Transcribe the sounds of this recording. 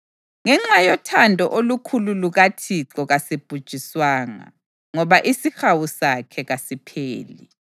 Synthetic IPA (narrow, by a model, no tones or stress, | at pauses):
ŋɛŋ͡ǁajɔtʰandʱɔʔolukʰululuɣatʰiǁɔɣasib̥ʱud̥ʒ̥ʱiswaːŋa̰ | ŋɔβaʔisixawusakʰɛɣasipʰeːli